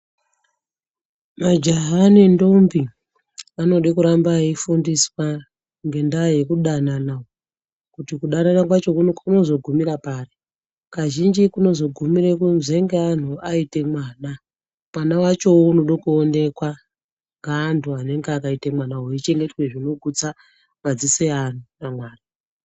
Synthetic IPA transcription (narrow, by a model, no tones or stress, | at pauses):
mad͡ʒaɦanendo̞mbi | ano̞ɗikuɾambaifundiswa | ŋɡe̞ndaje̞kuɗananao | kutikuɗananakwat͡ʃo̞kuno̞zo̞ɡʱumiɾapaːri | kaʒind͡ʒikuno̞zo̞ɡʱumiɾekunzeŋɡean̤uaite̞mwaːna | mwanawat͡ʃo̞uno̞ɗokuone̞kwa | ŋɡaːntʰuane̞ŋɡeakaitemwanaɦoit͡ʃe̞ŋɡe̞twe̞ʐino̞ɡʱut͡sa | mad͡zisean̤unamwaːra